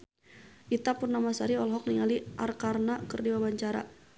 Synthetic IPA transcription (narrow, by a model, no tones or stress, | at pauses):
ʔit̪apʊrnamasaɾiɔlɦɔk̚niŋaliʔarkarnakɨrdiwabaɲt͡ʃaɾa̰